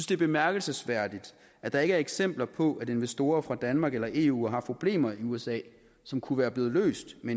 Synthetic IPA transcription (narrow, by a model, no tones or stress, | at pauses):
ynsd̥e̝æɐb̥e̝mæɐɡ̥əl̩səsʋæɐ̰d̥id̥ | ʔæd̥ɑ̈e̝ɡəæɐeɡ̥sem̰b̥lɐpʰɒ̽ʔæɾe̝nʋesd̥o̝ːɐfʁɑ̈d̥ænmɑ̈ːɡ̥elɐʔe̝̰ṵːɦɑ̈pʰʁo̝b̥le̝̰ːmɐiuesɛ̰ː | sɒ̽mkʰuʋæːɐb̥le̝ːð̩ˠlø̰ːsd̥men